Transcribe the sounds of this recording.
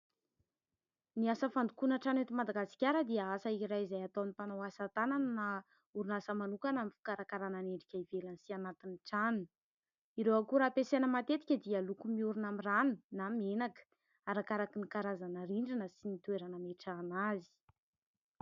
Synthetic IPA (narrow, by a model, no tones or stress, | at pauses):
niasəfand̪ukunəʈ͡ʂanet̪imad̪aɡasi̥kʲaɾəd̪iəasəiɾajizajat̪onipanowasat̪ananna | uɾunasəmanukanamifi̥kaɾakaɾananeɳɖ͡ʐikʲaivelansianat̪iniʈ͡ʂanun | iɾewakuɾapesenəmat̪et̪i̥kʲəd̪ialukumiuɾunamiranunamenakə̥ | aɾakaɾakinikaɾazanəɾiɳɖ͡ʐinəsinit̪ueɾanəmeʈ͡ʂanazi̥